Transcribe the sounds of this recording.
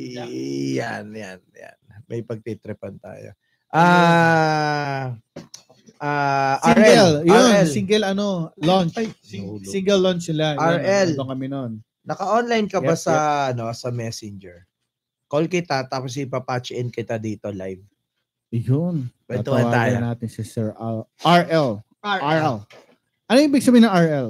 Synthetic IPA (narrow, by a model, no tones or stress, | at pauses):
ja̰nja̰nja̰nmʔɐjpɐɡ̚t̪it̪ɾɛpɐnt̪a̰ːjo̰ | ʔa | ʔaʔaiɹɛljonɛliŋɡɛlɐnolɔnt͡ʃsiŋɡɛlːont͡ʃsɪlaaɹɛlokɐmɪnon | nɐkɐʔonlajnkɐbasɐɐno̞sɐmɛsɪnd͡ʒɛɹ | kolkɪt̪at̪aːpos̬ɪpapat͡ʃɪʔɪnkɪt̪ad̪iːt̪ola̰jv | jʊnwɛt̪omat̪aːjnaːt̪ɪnsɪsɛɹɐʔaɹʔɛl | aaɹɛl | ʔɐnojɪ̃ɪbɪɡsɐbiːhɪnɐŋaɹɛl